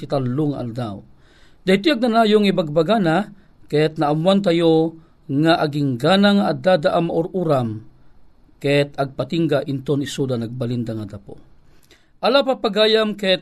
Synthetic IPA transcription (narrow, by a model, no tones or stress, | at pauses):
it̪alːʊŋa̰ʔa̰ld̪aw | d̪ɐjt̪iaɡ̚nanaːjoŋibaɡ̚baɡana | kɛt̪̚naamwant̪ajo | ŋaʔaɡiŋɡanaŋaʔad̪ad̪aʔamaʔʊɾʔuɾam | kɛt̪aɡ̚pat̪iŋɡaʔɪnt̪onɪsud̪anaɡ̚balind̪aŋad̪apo̰ | ʔalapapaɡaːjamkɛt̪